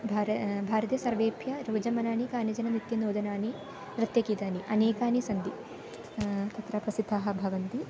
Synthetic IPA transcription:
bʱaːɾbʱaːɾɐt̪jɐsɐɾʋeːbʱjɐɾɐːd͡ʒɐmɐnaːnikaːnjɐd͡ʒɐnɐnit̪ːjɐnoːd̪ɐnaːni | ɾɐt̪jɐkit̪aːniʔɐneːkaːnisɐnd̪i | t̪ɐt̪ɾɐpɾɐsid̪ʱːaːɦɐ̆bʱɐʋɐnt̪i

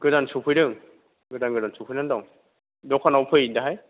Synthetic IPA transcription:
ɡ̥ɯdansupʰɯjdɯŋ | ɡɯdanɡɯdansupʰɯjnandɔŋ | dɔkʰɔnawpʰɯjdaɦaj

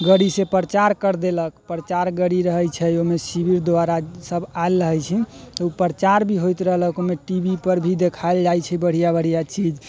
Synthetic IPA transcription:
ɡəɽisepɾət͡ʃaɾkəɾd̪eləkpɾət͡ʃaɾɡəɽiɾəɦəjt͡ʃʰɛjomesibiɾd̪waɾasəbaelːəɦəjt͡ʃʰɛt̪ɔupɾət͡ʃaɾbʱiɦojt̪ɾəɦləkomeʈibʱipəɾbʱid̪ekʰaeld͡ʒajt͡ʃʰɛbəɽ̤ijabəɽ̤ijat͡ʃid͡ʒ

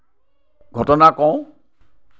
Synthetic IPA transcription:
ɡʱɔtɔnakɔ̃w̃

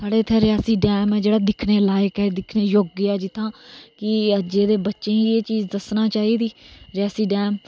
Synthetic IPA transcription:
saːɽeːt̪ʰɛ̃ːɾɪjaːsiːɖɛːmɛːd͡ʒeːɽaːd̪ɪkʰneːlaːjkɛːd̪ɪkʰneːjoːɡːɪɛːd͡ʒɪt̪ʰːãːkɪəd͡ʒeːd̪eːbətːʃẽːiːeːt͡ʃiːzd̪əsnaːt͡ʃaːiːd̪iːɾɪjaːsiːɖɛːm

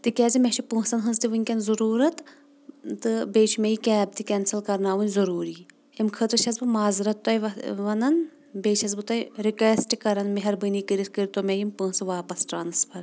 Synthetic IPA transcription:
t̪ɨkʲɛːzimʲet͡ʃʰipɨ̃ːsɐnɦɨnzt̪iʋɨnʲkʲɐnzɐɾuːɾɐt̪ | t̪ɨbeːt͡ʃʰmejikʲɛːb̚t̪ikʲɛːnsɐlkɐɾnaːʋɨnʲzɐɾuːɾiː | emkʰɨt̪ɾɨt͡ʃʰɐzbɨmaːzɨɾɐt̪ːɐjʋɐnɐn | beːt͡ʃʰɐzbɨt̪ɐjɾikeːsʈkɐɾɐnmeɦɐɾbɨniːkɨɾit̪kɨɾit̪omejimpɨ̃ːsɨʋaːpɐsʈaːnɨspʰɐɾ

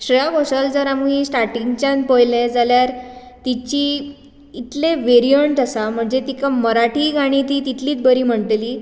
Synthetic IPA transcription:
ɕɾəjakoɕəld͡zəɾamuisʈaɾʈĩŋɡt͡ɕãn̚pəjlẽd͡zaljaɾ | t̪it͡ɕiː | t̪leʋeɾijəɳʈasam̤əɳd͡zet̪ikaməɾaʈʰiːɡʱaɽ̃it̪iːt̪it̪ʰliːt̪bəɾiːm̤əɳʈ̪liː

